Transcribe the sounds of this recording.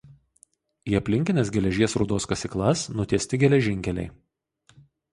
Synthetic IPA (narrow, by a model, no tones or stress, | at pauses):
iːɐpʲlʲɪŋʲkʲɪnʲeːs̬ɡʲɛlʲɛʒʲiɛsɾʊd̪oːskɐsʲɪklˠɐsnʊt̪ʲiɛsʲt̪ʲɪɡʲɛlʲɛʒʲɪŋʲkʲɛlʲɛ̰ɪ